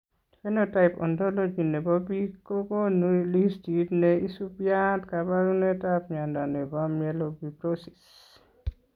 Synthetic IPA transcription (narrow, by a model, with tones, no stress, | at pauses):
fɛ˦nota˨jpɔ̰˨ndɔ˦lo˦d͡ʒi˨ne˨bɔ˦bi˦ko˦ɡo˦nuili˦stidnei˦su˦pja˦tka˨ba˦ɾu˦ne˦tapɲa˨nda˨nɛ˨bɔ˦mjɛlobipɾosi̥s